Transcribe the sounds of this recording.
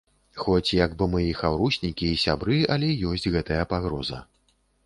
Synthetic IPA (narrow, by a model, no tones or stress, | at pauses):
xɔt͡sʲjaɡbɨmɨjixawɾusʲnʲikʲiːsʲabɾɨɐlʲɛjɔsʲd͡zʲɣɛt̪ɐjɐpaɣɾɔzɐ̰